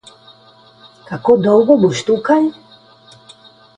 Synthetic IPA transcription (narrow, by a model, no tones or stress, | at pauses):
kakod̪owɣobuʃt̪ukaʎ